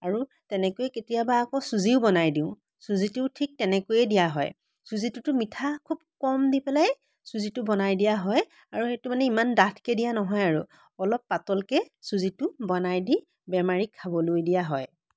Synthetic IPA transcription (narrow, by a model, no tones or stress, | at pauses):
aɹu | tɛnɛkojɛketijabaːkɔsuziʊbɔnajdĩʊ̃ | suzituʊtʰik̚tɛnɛkojɛdijaɦɔ̰j | suzitutʊmitʰakʰubkɔmdipɛlaj | suzitʊbɔnajdijaɦɔj | aɹuxetʊmanɛimandatʰkɛdijanɔɦɔjaɹu | ɔlɔpːatɔlkɛ | suzitʊbɔnajdi | bɛmaɹikʰːabɔlojdijaɦɔj